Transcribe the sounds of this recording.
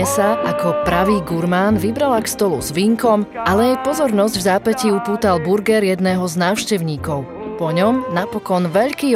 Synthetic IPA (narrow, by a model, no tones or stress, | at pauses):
ɛsaʔakɔpɾaʋiːɡuɾmaːnʋibɾalakst̪ɔlṵzʋiŋkɔmʔalɛjɛjpɔzɔɾnɔzɟvzaːpɛciupuːt̪albuɾɡɛɾjɛd̪nɛːɦɔznaːʊʃcɛʊɲiːkɔʊ | pɔɲɔmnapɔkɔnʋɛʎkiː